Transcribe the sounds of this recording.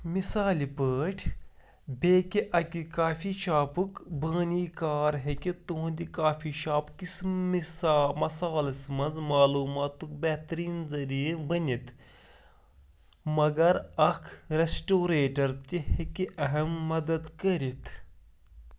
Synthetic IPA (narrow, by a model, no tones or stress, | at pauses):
misaːlipəːʈʰ | beːkiʔɐkikaːfiʃaːpukbəːniːkaːɾɦekit̪õːnd̪ikaːfʰiʃaːpkismismɐsaːlɐsmɐnzmaːluːmaːt̪uk̚bɛːt̪ɾiːnzɐɾibɐnit̪ʰ | mɐɡɐɾɐkʰɾesʈoːɾeːʈɐɾt̪ihekiʔɐɦɐmːɐd̪ɐd̪kɐɾit̪ʰ